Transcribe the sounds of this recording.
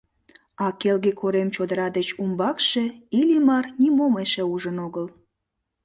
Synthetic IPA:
ɑkelɣekʰoɾemt͡ɕod̪əɾɑd̪et͡ɕumbɑkʃeilʲimɑrnimomeʃeuʒənoɣəl

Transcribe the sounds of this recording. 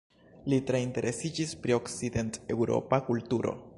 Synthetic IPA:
litɾeinte̞ɾʔe̞sid͡ʒispɾio̞ksid̪e̞nte̞wɾo̞̰pakultuɾo̞̰

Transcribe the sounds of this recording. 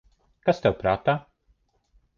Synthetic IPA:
kast̪ɛwpɾaːt̪aː

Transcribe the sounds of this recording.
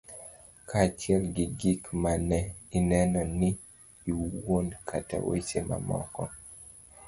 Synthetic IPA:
kʰat͡ʃjɛlɡɪɡikmanɛinɛnɔnɪː | wonkʰata̰wḛsema̰mɔ̰kɔ

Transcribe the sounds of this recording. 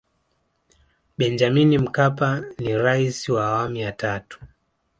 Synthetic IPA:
ɓɛnd͡ʒaminim̩kapaniɾaisiwaːwamijatatu̥

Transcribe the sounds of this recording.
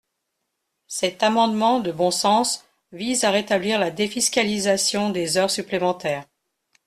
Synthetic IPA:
sɛt̪amɑ̃d̪mɑ̃d̪əbɔ̃sɑ̃s | vizaʁet̪abliʁlad̪efiskʲalizasjɔ̃d̪ezœʁsyplemɑ̃t̪ɛːʁ

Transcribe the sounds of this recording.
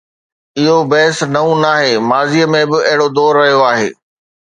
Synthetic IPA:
ɪɦobɐɦɪsnɐũnaːɦeːmaːziəmẽbɪɐɦɪɽod̪ɔːɾːɐɦijoaːɦḛː

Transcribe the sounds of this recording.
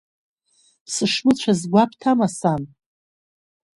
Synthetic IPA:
pʰsɨʂmɨt͡ɕʷʰazɡʷapʰtʰamasan

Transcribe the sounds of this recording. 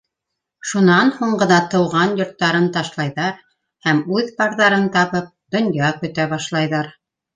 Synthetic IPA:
ʃunɑnhuɴɢɤ̆nɑt̪ɤ̆wʁɑnjŏɾt̪ːɑɾɤnt̪ɑʃlˠɑjðɑɾ | hæmʉðpɑɾðɑɾɤnt̪ɑβɤp̚d̪ŏnjɑkɵ̆t̪æβɑʃlˠɑjðɑɾ

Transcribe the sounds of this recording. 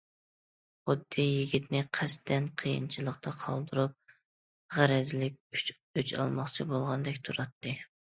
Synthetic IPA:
χʊd̪ːijiɡʲit̪nɪqʰæst̪ʰɛnqʰəjḭnt͡ʃʰɨlˠəqt̪ʰɑqʰɑ̰lˠd̪uɾup̚ | ʁæɾɛzlɪkʲyt͡ʃʰɑ̰lˠmɑχt͡ʃʰibolˠʁɑnd̪ɛkʲt̪ʰuɾɑt̪ʰːɨ

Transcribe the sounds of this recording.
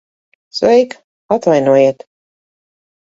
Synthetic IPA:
svɛjk | at̪vajnuɔjiɛt̪

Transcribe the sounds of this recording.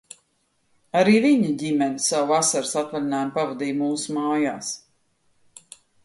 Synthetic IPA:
aɾiːviɲiɟimɛnisawvasaɾsat̪valʲinaːjnpavad̪iːjmuːsumaːjaːs

